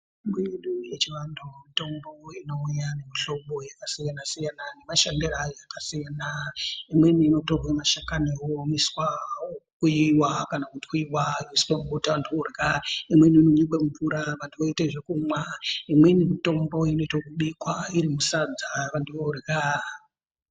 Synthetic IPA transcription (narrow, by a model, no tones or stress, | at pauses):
miiɗujet͡ʃiʋandomito̞mbo̞ino̞ujane̞miɬo̞ɓojakasijanasijanane̞maʃandirajojakasijaːnaimwe̞niːno̞toremaʃakanewomiswaokuiwakanakuti̥kuiwaiiswemkutaʋantʰuorɡaimwe̞niinoɲiɓemuvuɾaʋantʰuʋoiteʐekumwaimwe̞nimito̞mboino̞itekuɓikwaiɾimusad͡zaʋanduʋorɡa